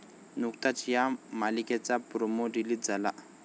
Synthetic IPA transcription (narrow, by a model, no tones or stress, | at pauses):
nuktatʰijamalikɛt͡sapuɾomodilid͡zalaʔ